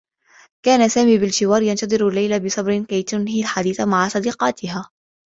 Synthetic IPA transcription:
kaːnasaːmiːbɪld͡ʒɪwɑːɾjɑnt̪ɑd̪ˤɨɾalːajlabɪsˤɑbɾɪkajt̪ʊnhilħad̪iːθamaʕasˤɑd̪iːqɑːt̪ʰɪɦaː

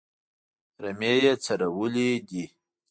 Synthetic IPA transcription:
ɾamejet͡saɾawulid̪i

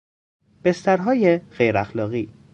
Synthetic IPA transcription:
b̥e̞st̪æɾɦɒːjeɣ̥ejɾæxlɒːɣiː

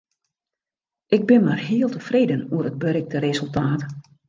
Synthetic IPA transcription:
ʔɪɡ̚bɪnmarɦiəlˠtəfreːdənuərəd̚bøɾɪk̚təɾezɵlˠtaːt

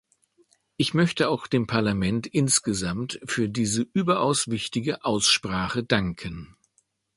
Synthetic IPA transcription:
ʔɪçmœçtəaʊxd̥eːmpʰaɐlamɛntʔɪnsɡ̥əzamtfyːɐdiːzəʔyːbɐʔaʊsv̥ɪçtɪɡəʔaʊsʃpʁ̥aːχədaŋkʰən

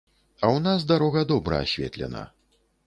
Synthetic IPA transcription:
ɐwnazd̪aɾɔɣɐd̪ɔbɾɐ̰a̰sʲvʲɛ̰t̪lʲɛ̰nɐ̰

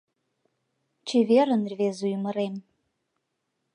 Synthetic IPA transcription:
t͡ʃʰeveɾənrʲvezujməɾem

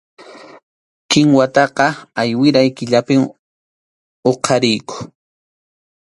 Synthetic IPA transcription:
kɪŋwat̪ɑqɑajwɪɾajkɪʎapɪm | oqʰɑɾɪjkʊ̥

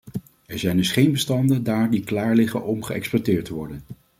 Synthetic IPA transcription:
ɛɹzɛjndɵsχejnbəstɑndəndaːɹdiklaːɹlɪχə̰nʔɔmχəɛ̰kspɔtɪːɹtəʋɔɹdən

